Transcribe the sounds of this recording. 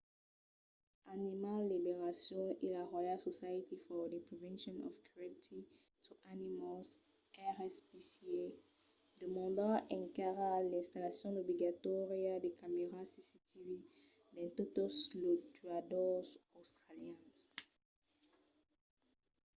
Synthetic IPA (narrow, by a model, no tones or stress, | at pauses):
animalːibeʁasjɔ̃elaʁwajalsosajit̪ʰifɔd̪epʁevɛ̃nsjɔ̃nɔ̰fkʰuɛt̪ʰi | t̪ʰuʔanimalz | ɛʁɛspisie | d̪əmɑ̃d̪ãʔɛ̃ŋkaʁalɛ̃st̪alasjɔ̃d̪obliɡat̪ɔʁjad̪ekameʁasisit̪ivi | d̪ɛ̃t̪ot̪oslot̪yad̪ɔzost̪χaljɛ̃s